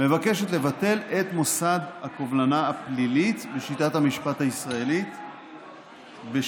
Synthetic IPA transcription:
me̞vake̞ʃet̪le̞vate̞le̞t̪mo̞sad̪hakovlanaːplilit̪beʃitathamiʃpat̪haisʁaelit̪ | be

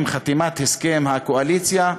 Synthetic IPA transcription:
mχat̪imat̪heskemhakoalit͡sja

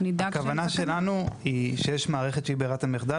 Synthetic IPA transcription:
nid̪akavanaʃelanuiʃe̞jeʃmaːʁe̞χett͡ʃʃe̞ibeːʁatameχd̪a

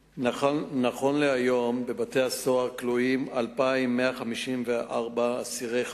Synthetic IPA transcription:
naχo̞nleajo̞mbe̞bate̞haso̞aʁkluimalpaimːeaχamiʃimveʔaʁbaːsiʁej

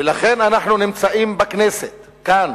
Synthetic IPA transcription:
elaχenanaħnunimt͡saʔimbakneset̪ | kan

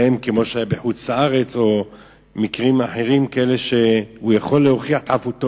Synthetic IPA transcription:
emkemo̞ʃeajabeħut͡saaʁet͡so̞ | mikʁimaħe̞ʁimkaʔeleʃe̞hujaχo̞lːeo̞χiaħtavuto

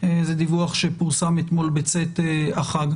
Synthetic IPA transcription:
ezed̪ivuaχʃepuʁsamet̪mo̞lbet͡set̪eaχaɡ

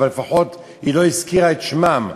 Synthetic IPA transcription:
alefaħo̞t̪ | hiloiskiʁaet̪ʃmam

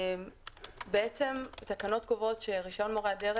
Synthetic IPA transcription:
mbeet͡se̞mt̪akano̞t̪̚ɡovo̞tʃeʁiʃo̞nmoʁeadeʁ

